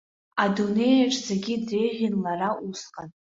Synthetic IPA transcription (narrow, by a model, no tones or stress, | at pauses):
adune̞jaʈ͡ʂʼzeɡʲidrejʁʲinlaraʔusqʼan